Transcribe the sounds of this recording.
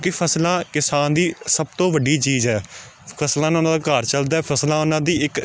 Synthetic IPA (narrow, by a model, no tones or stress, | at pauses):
kɪpʰəslãːkɪsaːnd̪iːsəb̚t̪õːʋəɖiːt͡ʃiːzɦɛː | pʰəslãːñːnãːd̪aːkaːɾt͡ʃəld̪aːɛːpʰəslãːʊnãːd̪iːɪk